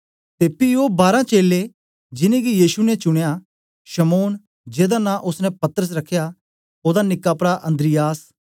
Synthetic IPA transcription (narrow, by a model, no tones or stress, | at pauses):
t̪eːpioːbaːɾãt͡ʃeːle | d͡ʒɪnẽɡijiːʃunɛt͡ʃʊɽ̃ja | ʃɐmoːn | d͡ʒeːd̪anãʔʊsnɛ̃pɐt̪əɾəs̬ɾɐkʰːja | oːd̪anɪkːaːpɾaʔɐ̃nd̪ɾɪjaːs